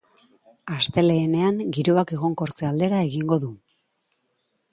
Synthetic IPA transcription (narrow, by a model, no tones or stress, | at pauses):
ast̪e̞le̞ːne̞aŋɡiɾoake̞ɣ̞o̞ŋko̞ɾt͡seald̪e̞ɾaeɣiŋɡo̞ðu